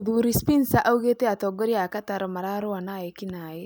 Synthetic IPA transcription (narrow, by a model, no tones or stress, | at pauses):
d̪uɾispinsaʔauɡet̪eat̪ɔɡɔɾiakat̪aɾmaɾaɾuanajekinaːjɛ